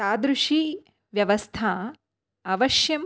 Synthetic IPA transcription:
aːd̪ɾuʂi | ʋjɐʋɐst̪ʰaː | ɐʋɐʃjɐm

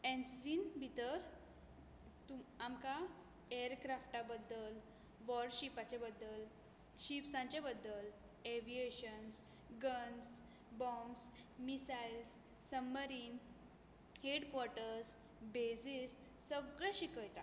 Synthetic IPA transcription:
ẽnsisinbʱit̪əɾ | t̪uamka | eɾkɾafʈabəd̪ːəl | ʋɔɾɕipat͡ɕebəd̪ːəl | ɕipsãɲt͡ɕebəd̪ːəl | eʋieɕəns | ɡəns | bɔmsmisailsː | əmːəɾiːn | heɽkʋɔɾʈəɾs | bed͡zisː | əɡɭẽɕikəjt̪a

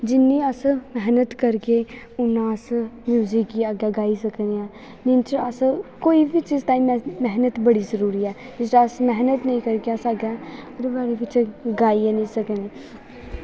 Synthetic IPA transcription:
d͡ʒɪnːiːəsmɛɦnət̪kəɾke | ʊnãːsmjuːzikːiaɡjaːɡaːisəkneãː | d͡ʒɪnt͡ʃəskoːibit͡ʃizt̪aːimmɛɦnət̪bəɽiːzəɾuːɾiːɛː | d͡ʒɪsʈasmɛɦnət̪nəĩːkəɾkeəsaɡaːɾʋaːɾeʋɪt͡ʃɡaːienĩːsəkniː

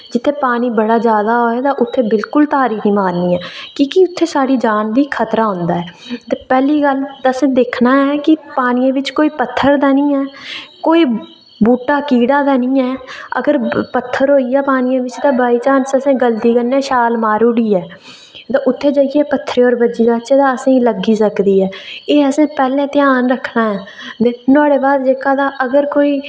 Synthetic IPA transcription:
d͡ʒɪt̪ʰːeːpaːniːbəɽaːd͡ʒjaːd̪aːɦoːɛːt̪ãːʔʊt̪ʰːeːbɪlkʊlt̪aːɾiːkʰniːmaːɾniːɛːkiːkiʊt̪ʰːeːsaːɽiːd͡ʒaːnd̪iːkʰət̪ɾaːɦʊ̃nd̪aːɦɛːt̪eːpɛːliːɡəld̪əsẽːd̪eːkʰnaːɛːkɪpaːniãːʋɪt͡ʃkoːiːpət̪ʰːəɾd̪aːnĩːɛːkoːiː | buːʈaːkiːɽaːd̪aːnĩːɛːə̰ɡəɾpət̪ʰːəɾɦoːiːɛːpaːnɪjãːʋɪt͡ʃd̪ãːbaːiːt͡ʃaːnsəsẽːɡəlt̪iːkənːɛːʃaːlmaːɾuːɽiːɛː | t̪ãːʔʊt̪ʰːeːd͡ʒaːijɛːpət̪ʰːɾeːɔːɾbəd͡ʒiːd̪aːt͡ʃeːd̪aːəsẽːləɡiːsəkd̪iːɛːeːəsẽːpɛːlẽːt̪ɪjaːnɾəkʰnaːɛː | d̪eːnaːɽeːbaːd̪d͡ʒeːkaːd̪aːʔəɡəɾkoːiː

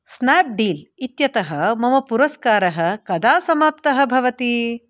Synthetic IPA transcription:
snaːp̚ɖiːlit̪jɐt̪ɐɦɐmɐmɐpuɾɐskaːɾɐɦɐ̆kɐd̪aːsɐmaːp̚t̪ɐɦɐ̆bʱɐʋɐt̪i

